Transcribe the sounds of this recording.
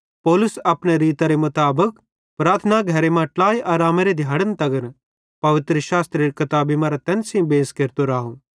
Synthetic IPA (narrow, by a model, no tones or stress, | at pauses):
pɔːlʊsɐpneɾiːt̪aɾemʊt̪aːbək | pɾaːt̪ʰnaɡʱɐɾemãʈlaːjʔaːɾaːmeɾed̪ʱjaːɽənt̪ɐɡəɾ | pɐʋɪt̪ɾəʃaːst̪ɾeɾkɪt̪aːbimãɾat̪ɛnsĩbeːskeɾt̪oɾaːɦo